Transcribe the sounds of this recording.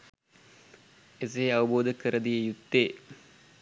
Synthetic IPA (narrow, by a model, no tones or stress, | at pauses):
es̬eeaʋəboːd̪əkəɾəd̪ijəjut̪ːeː